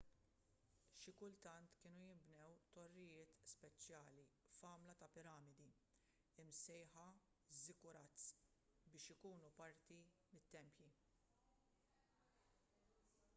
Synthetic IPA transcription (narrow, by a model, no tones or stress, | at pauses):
ʃɪkʊlt̪ɐnt̪kɪːnujɪmbnɛwt̪ɔrːɪjɪːt̪spɛt͡ʃjɐːlifɐːmlɐt̪ɐpɪɾɐːmɪd̪i | ɪmsɛjħɐ | zɪkʊɾɐt͡s | bɪːʃɪkuːnupɐɾt̪imɪt̪ːɛmpji